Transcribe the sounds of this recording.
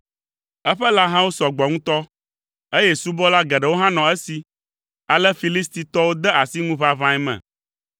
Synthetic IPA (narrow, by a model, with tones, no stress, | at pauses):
ɛ˦ɸɛ˦la˦ɦã˦wo˦sɔ˨ɡ͡bɔ˨ŋũ˦t̪ɔ˦ | e˦jɛ˦su˦bɔ˦la˦ɡɛ˨ɖɛ˨wo˦ɦã˦nɔ̃˨ɛ˦si˨ | a˨lɛ˦fi˨li˦st̪i˨t̪ɔ˦wo˦d̪ɛ˦a˨si˦ŋũ˦βa˦vã˦ɛ˦mɛ̰̃˨